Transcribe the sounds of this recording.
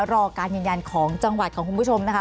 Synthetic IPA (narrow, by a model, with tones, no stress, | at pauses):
ɾɔː˧kaː˧njɯː˧nja˧nkʰɔː˩˦ŋt͡ɕa˧ŋwa˨˩t̪̚kʰɔː˩˦ŋku˧npʰu˦˥t͡ɕʰo˧mna˦˥kʰa˦˥